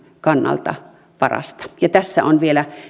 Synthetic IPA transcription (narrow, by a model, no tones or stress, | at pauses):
kɑnːɑ̰lt̪ɑ̰ | pɑrɑ̰st̪ɑ̥jɑt̪æsːæonʋielæ